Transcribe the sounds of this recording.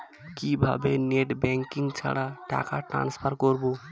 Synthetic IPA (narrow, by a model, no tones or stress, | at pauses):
kibʱa̰beneʈbɛŋkiŋɡt͡ʃʰa̰ɽaʈa̰kaʈɾã̰nspʰəɾkɔɾbu